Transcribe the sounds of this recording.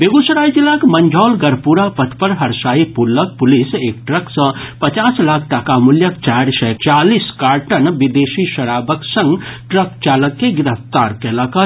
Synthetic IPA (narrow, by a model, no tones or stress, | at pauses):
beːɡusɐɾaːjd͡ʒilakmɐ̃ɲd͡ʒʱaːlɡɐɾpuɾapət̪ʰpəɾɦɐɾsaːipulək̚pʊliseːk̚ʈɾəksə̃pɐt͡ʃaːslaːkʰʈakamuljəkt͡ʃaːɾʃɐt͡ʃaːliskaːɾʈənʋid̪eːʃiʃɐɾaːbəksə̃ŋɡʈɾəkt͡ʃaːləkːeɡɪɾəft̪aːɾkeləkə